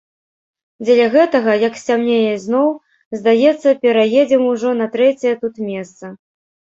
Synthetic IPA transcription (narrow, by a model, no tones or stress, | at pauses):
d͡zʲɛlʲɐɣɛt̪ɐɣɐjɐksʲamnʲejɐznɔw | zd̪ajɛt̪sːɐpʲɛɾajed͡zʲɛmuʐɔnɐt̪ɾɛt͡sʲɛjɛt̪ut̪mʲɛst̪sɐ